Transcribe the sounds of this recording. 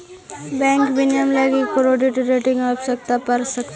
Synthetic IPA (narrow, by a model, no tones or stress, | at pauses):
bɛ̃ːŋkbɪnjəmlaɡikoɾoːɖɪʈɾeːʈɪ̃ŋɡəpsɐk̚t̪apɐɾsɐkt̪ː